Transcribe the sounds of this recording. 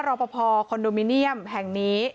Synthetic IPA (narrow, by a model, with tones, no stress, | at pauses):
ɾɔː˧˩pɔ˧pʰɔː˧kʰo˧ndoː˧mi˧˥ni˥˩əmhɛ˨˩ŋniː˦˥